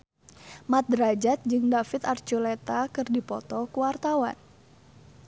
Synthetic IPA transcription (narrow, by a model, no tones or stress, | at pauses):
mat̪̚dɾad͡ʒat̪̚d͡ʒɨŋdafɪt̪art͡ʃulet̪akɨrdipɔt̪ɔkuwart̪awa̰n